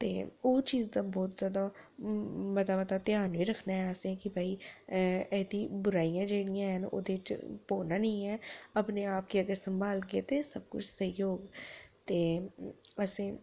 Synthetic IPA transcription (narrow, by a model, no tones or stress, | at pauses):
t̪eːoːt͡ʃiːzd̪aːbɔːt̪zjaːd̪a | mət̪aːmət̪aːt̪jaːnʋiːɾəkʰnaːɦɛəsẽɛ̃ːkɪbʱaːi | ɛːd̪iːbʊɾaːijãːd͡ʒeːɽijãːɦəno̰ːd̪eːt͡ʃpoːnaːnəĩːɛːəpneːaːp̚kiəɡəɾsəmbaːlɡɪet̪eːsəb̚kʊ̰t͡ʃʰsəjoːɡt̪eː | əsẽː